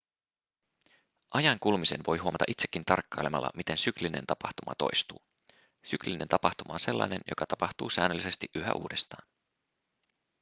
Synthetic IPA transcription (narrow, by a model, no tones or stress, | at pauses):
ʔɑjɑŋkulmise̞nʋo̞jɦuomɑt̪ɑʔit̪sekːint̪ɑrkːɑjlemɑ̰lːɑ̰mit̪e̞nsykline̞̰nt̪ɑpɑht̪umɑt̪o̰jst̪uː | sykliine̞nt̪ɑpɑht̪umɑonse̞lːɑ̰jne̞njʔo̰kɑt̪ɑpɑht̪uːsæːnølːise̞st̪iʔyɦæ̰ʔṵːdest̪ɑːn